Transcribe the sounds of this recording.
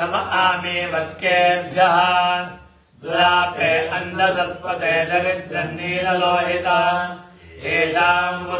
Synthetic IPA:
ɐmɐʔaːmiːʋɐt̪keːt̪d͡ʒɐɦaːn | d̪uɾaːpeːʔɐnd̪ʱɐd̪ɐspɐt̪eːd̪ɐɾit̪̚d͡ʒɐnːiːlɐloːɦit̪aːneːʃaːnɡɐ

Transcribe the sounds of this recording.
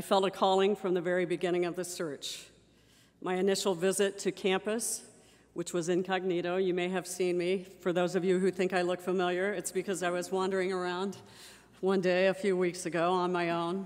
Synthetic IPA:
aɪfɛlˠtɨkʰɔlˠɪ̃ŋfɹʌ̃mðɨvɛɹibɨɡɪ̃ɾ̃ɪ̃ŋʌvðɨsɜ˞t͡ʃ | maɪɨnɪʃl̩ˠvɪzɨtʰɨkʰæ̃mpɨs | wɨt͡ʃwʌzɨ̃nkʰɑɡ̚niɾoʊjɨmeɪɨv̥sĩnmifə˞ðoʊzʌvjɨɦʉθɪ̃ŋkaɪlʊkfəmɪlˠjə˞ɨtsb̥ɨkʰʌzaɪwʌzwɑ̃ndə˞ɪ̃ŋə˞ãʊ̃nd | wʌ̃ndeɪɨfjʉwiksɨɡoʊə̃nmaɪõʊ̃n

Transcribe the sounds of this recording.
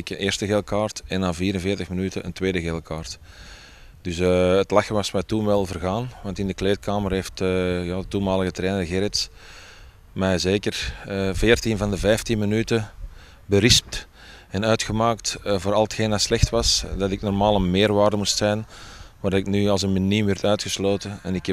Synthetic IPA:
ɪkənʔeːrstəɣeːlˠkaːrtɛnːaːviːɾənvɪːrtəxmənytəəntʋeːdəɣeːlˠkaːrt | d̥ʏsəətlaxəʋɑsmɛtunʋɛlˠvərɣaːnʋɑntɪndəkleːt̚kaːmərɦeːftəjaːdətunmaːləɣətɾɛːnərɣɛɾɪts | mɛjzeːkərəvɪːrtinvɑndəvɛjftinmənytə | bəɾɪsp̚t | ɛnœɥtxəmaːktvoːɾɑlˠətxeːndɑtslɛxtʋɑsdɑtɪknɔrmaːlˠənmɪːrʋaːrdəmustsɛjnʋaːrdɑɪknyːɑlˠzənmənimʋɛrtœɥtxəsloːtəɛnɪkɛ

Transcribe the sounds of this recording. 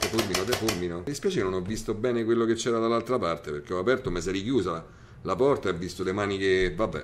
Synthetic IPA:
t̪ɛfurminot̪ɛfurminolespjɛːt͡ʃeknonɔvːist̪obɛːnekwelːoket͡ʃːɛːɾad̪alːalt̪ɾapart̪eperk̟eɔapɛrt̪omesɛɾikjuːza | lapɔrt̪aɛvːist̪olemaːnikevabːɛ̰

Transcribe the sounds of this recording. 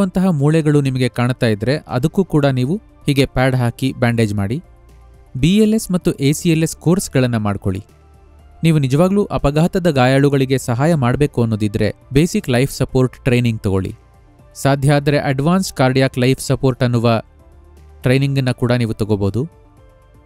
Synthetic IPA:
ɐnt̪ɐɦɐmuːɭɛɡɐɭunimɐɡe̞kaːɳt̪aːjid̪ɾe̞ʔɐ̰d̪ɐkːuːkuːɽɐniːʋu | hiːɡe̞paːɖɦaːkibaːɳɖe̞ːd͡ʒmaːɽi | bielesmɐt̪ːuʔeːsieleskoːɾsɡɐɭɐnːɐmaːɖko̞̰ɭḭ | niːʋunid͡ʒɐʋaːɡluːʔɐpɐɡaːɦɐt̪ɐd̪ɐɡaːjaːɭuɡɐɭiɡe̞sɐɦaːjɐmaːɽbe̞ːkuɐnːoːd̪id̪ɾe̞̰be̞ːsiklɐjpʰsɐpoːɾʈʈɾejniŋɡ̚t̪ɔɡo̞̰ɭḭ | saːd̪ʱjɐːd̪ɐɾe̞ʔɐɖʋaːnskaːɾɖijaːklɐjpʰsɐpoːɾʈɐnːuʋɐ | ʈɾe̞jniŋɡɐnːɐkuːɽɐniːʋut̪ɔɡoboːd̪u

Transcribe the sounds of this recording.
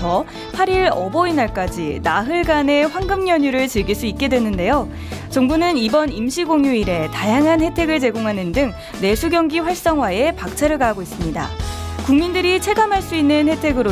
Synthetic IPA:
ʌ | pʰaɾiɾʌbʌinaɭk͈ad͡ʑinaɦɯɭɡane̞ɸwaŋɡɯmɲʌɲuɾɯɭt͡ɕɯɭɡiɭs͈uit̚k͈e̞dwe̞nɯnde̞jo | t͡ɕʌŋbunɯnibʌnimɕʰiɡoŋjuiɾe̞tajaŋɦanhe̞tʰe̞ɡɯɭt͡ɕe̞ɡoŋɦanɯndɯŋ | ne̞sʰuɡjʌŋɡiɸwaɭs͈ʌŋwae̞pak̚t͡ɕʰaɾɯɭɡaɦaɡois͈ɯmɲida̰kuŋmindɯɾit͡ɕʰe̞ɡamɦaɭs͈uinːɯnhe̞tʰe̞ɡɯɾo

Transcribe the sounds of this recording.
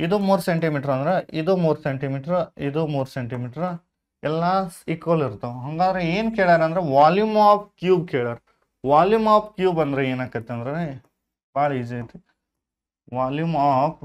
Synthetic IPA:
id̪umuːɾseɳʈimiːʈɐɾɐnd̪ɐɾeʔid̪umuːɾseɳʈimiːʈɐɾid̪umuːɾseɳʈimiːʈɐɾ | ɛlːasikʋɐliɾt̪ːɐɦɐŋɡaːd̪ɐɾeeːnkeːɭaːɾeɐnd̪ɾeʋaːljumaːpʰkjuːbkeːɭaɾe | ʋaːljumaːpkjuːbɐnd̪ɐɾeeːnaːk̪ɐt̪ːeɐnd̪ɐɾee | baːɽɐid͡ʒit̪e | ʋaːljumaːpʰ

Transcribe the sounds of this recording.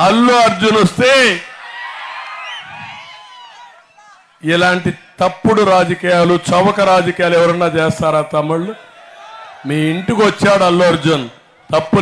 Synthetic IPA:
ɐlːuɐɾd͡ʒunost̪e̞ː | ilaːɳʈit̪ɐpːuɽuɾaːd͡ʒɐkiːjaːlut͡ʃɐʋɐkɐɾaːd͡ʒɐkiːjaːluɛʋɐɾɐnːaːt͡ʃeːst̪aːɾaːt̪ɐmːuɭu | miːiɳʈikiʋɐt͡ʃːaːɽɐlːoɐɾd͡ʒun | t̪ɐpːu

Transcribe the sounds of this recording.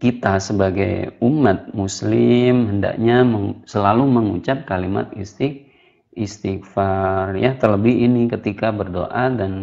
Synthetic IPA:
kit̪asəbaɡajumat̪̚muslɪmɦənda̰kɲaməŋsəlaluməŋṵt͡ʃap̚kalima̰t̪̚ist̪ik̚ | ist̪ikfarjat̪ərləbɪɦinikət̪ikabərdo̰ʔadan

